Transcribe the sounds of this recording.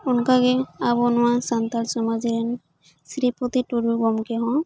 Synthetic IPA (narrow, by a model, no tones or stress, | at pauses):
unkaɡɛabɔnʊwasant̪alsɔmaziɾɛn | sɾipɔt̪ituɾuɡɔmkɛɦɔ̃